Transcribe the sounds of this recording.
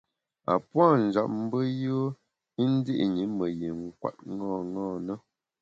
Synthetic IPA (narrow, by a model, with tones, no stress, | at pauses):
a̰˨pwa˦˨n̩˨d͡ʒa˨p̚m̩˦bə˦jə˦ | i˦n̩˦di˦ʔɲi˨˦mə˨ji˨ŋ̩˨kwa̰˨t̚ŋɔ˦˨ŋɔː˦˨nə˦